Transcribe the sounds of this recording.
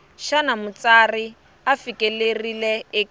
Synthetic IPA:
ʃanamʊt͡sari | afikʼelerileɪk

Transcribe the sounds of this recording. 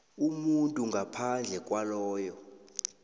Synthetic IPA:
umuntʼuŋɡʱapʰand͡ɮʱɛkʼwalɔːjɔ

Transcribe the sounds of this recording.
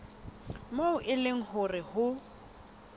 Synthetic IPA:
moʊʔɪleŋ̩hʊrɪhʊ

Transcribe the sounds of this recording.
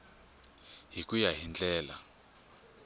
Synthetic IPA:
ɦikʼujaɦind͡ɮɛːla

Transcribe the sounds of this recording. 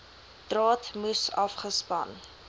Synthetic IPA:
d̥rɑːtmusɐfχəspɐ̰n

